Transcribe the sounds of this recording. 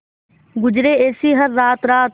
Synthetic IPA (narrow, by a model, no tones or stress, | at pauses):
ɡʊd͡ʒɾeːeːsiːɦəɾːaːt̪ɾaːt̪